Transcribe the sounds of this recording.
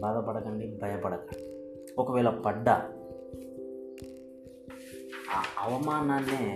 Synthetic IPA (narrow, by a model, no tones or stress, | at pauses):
baːd̪ɐpɐɽɐkɐɳɖibʱɐjɐpɐɽɐkɐɳɖi | ɔkɐʋɛːɭɐpɐɖːɐ̰ | aːɐʋɐmaːnanːeː